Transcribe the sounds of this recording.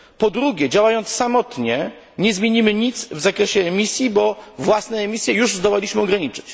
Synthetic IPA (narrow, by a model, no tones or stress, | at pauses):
pɔd̪ɾuɡʲɛd͡ʑawajɔnt̪ssamɔt̪ɲɛ | ɲɛzmʲjeɲimɘɲit̪svzakɾɛɕɛːmʲisʲjibɔvwasnɛːmʲisʲjɛjuʐzd̪ɔwalʲiɕmɘɔɡɾaɲit͡ʂɘ̥t͡ɕ